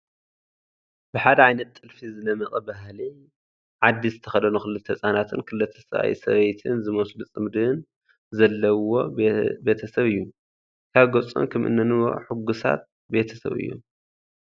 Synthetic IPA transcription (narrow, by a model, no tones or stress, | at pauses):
bɨħad̪ɐʕajnɐt̪ʼːɨlfizɨnɐmɐχʼɐbahli | ʕad̪ːizɨt̪ʰɐxɐd̪ɐnuxɨlɨt̪ʰːɐsʼanat̪ʰɨnkʰɨlɨt̪ʰːɐ̥sɐβa̰jsɐ̰βet̪ʰɨnzɨmɐslut͡sʼɨmd̪ɨn | zɐlːɐwo̞be̞t̪ʰɐsɐβɨjːu | kʰaβɡot͡sʼo̰nkʰɐmʔɨ̰nːɐnɨwo̰ħʊɡːusa̰t̪̚ | be̞t̪ʰɐ̥sɐ̰βɨ̰jːo̰m